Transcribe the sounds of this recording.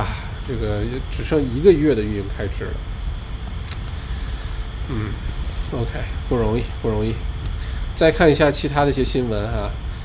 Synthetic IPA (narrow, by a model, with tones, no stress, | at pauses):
ʈ͡ʂɤ˥˩ɡə˩jʈ͡ʂɻ̩˨˩ʂɤ˥˧ŋi˧˥ɡə˧ɥɛ˥˩d̪ə˩y˥˧ni˥˩ŋkʰa˥ɪʂʰɻ̩̰˨˩lə̰˦ | n̩˥˩o˥ʊkʰe˥ɪpu˥˩ɻʊ˧˥ŋi˥˩pu˥˩ɻʊ˧˥ŋi˥˩ | t͡sa˥˧ɪkʰa˥˩ni˧˥ɕja˥˩t͡ɕʰi˧˥t̪ʰa˥d̪ə˨˧i˥˩jɛ˥ɕi˥nwə˧˥na˥˧